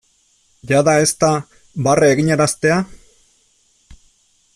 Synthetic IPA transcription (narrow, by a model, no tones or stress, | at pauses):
ʝaðae̞st̪a | bareːɣiɲeɾast̪e̞a